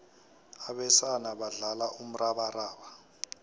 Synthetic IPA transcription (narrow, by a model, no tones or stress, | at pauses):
aɓɛsanaɓaɮalaʔum̩raɓaraːɓa